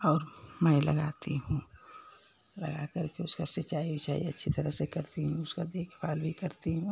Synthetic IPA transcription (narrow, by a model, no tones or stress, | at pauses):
ɔːɾmɛ̃lɐ̰ɡaːt̪iɦũː | lɐ̰ɡakəɾkeʊskasɪt͡ʃaːibʱit͡ʃa̰ːieɐtːʃʰit̪ɐɾəɦsekɐɾt̪iɦũʊskad̪eːkʰbʰaːlbʱikɐɾt̪iɦũː